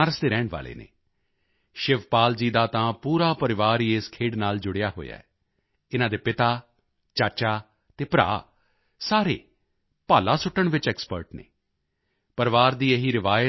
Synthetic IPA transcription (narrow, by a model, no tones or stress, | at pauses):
aːɾəsd̪eːɾɛːɳʋa̰ːlḛːnḛː | ʃɪʋpaːld͡ʒiːd̪aːt̪ãːpuːɾaːpəɾɪʋaːɾiːeːskʰeːɽnaːld͡ʒʊɽɪjaːɦo̰ːja̰ːɛː | ɪnãːd̪eːpɪt̪aː | t͡ʃaːt͡ʃaː | t̪eːpɾa̰ː | saːɾḛː | paːlaːsʊʈːəɳʋɪt͡ʃɛːkspəɾʈnḛː | pəɾʋaːɾd̪iːeɦiːɾɪʋaːjə